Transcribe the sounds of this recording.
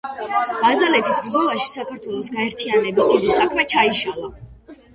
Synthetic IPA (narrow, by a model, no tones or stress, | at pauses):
b̥azalɛt̪ʰisbɾd̪zɔlˠaʃi̥sakʰaɾt̪ʰwɛlˠɔsɡaɛɾt̪ʰianɛbisd̪id̪isakʰmɛt͡ʃʰaiʃalˠa